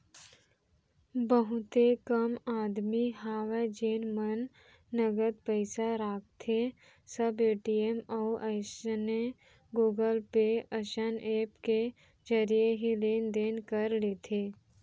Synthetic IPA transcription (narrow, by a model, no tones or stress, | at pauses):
bəɦʊt̪ekəmaːd̪miɦaːʋed͡ʒeːnmənː | əɡəd̪pəɪsaɾaːk̚t̪ʰe | səbeːʈiemɔʔəsne | ɡuːɡəlpeəʃəneːpke | d͡ʒəɾijeɦileːnd̪eːnkəɾleːt̪ʰeː